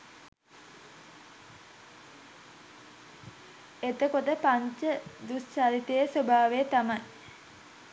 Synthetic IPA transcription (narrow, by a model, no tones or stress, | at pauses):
et̪əkot̪əpaɲt͡ʃəd̪ust͡ʃalit̪əjəsobʱaːʋejət̪amaj